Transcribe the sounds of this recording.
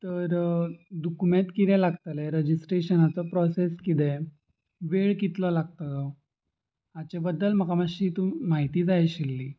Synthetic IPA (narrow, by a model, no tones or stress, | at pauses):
t̪əɾd̪ukumẽt̪kit̪ɛ̃laɡt̪aleɾəd͡ʑisʈɾeɕənat͡sɔpɾɔseskid̪e | ʋeɭkit̪lɔlaɡ̚t̪əl | at͡ɕebəd̪ːəlm̤əkamaɕiːt̪umaɦit̪iːd͡zajaɕilːiː